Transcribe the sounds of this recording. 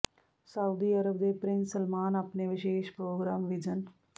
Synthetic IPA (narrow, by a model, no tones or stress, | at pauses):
saʊd̪iːɐɾəbd̪epɾɪ̃nsəlmaːnɐpneʋɪʃeːʃpɾoːɡɾaːmʋɪd͡ʒən